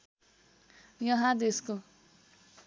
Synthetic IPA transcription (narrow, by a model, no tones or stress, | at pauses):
jʌɦãd̪esko